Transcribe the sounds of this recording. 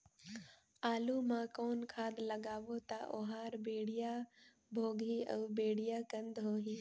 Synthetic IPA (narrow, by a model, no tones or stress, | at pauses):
aːlumãkoːnkʰaːd̪ləɡaːʋot̪aʔoːɦaːɾbeːɽija | bʱoːɡʱiəʋbeːɽijaːkə̃nd̪ɦoːɦĩː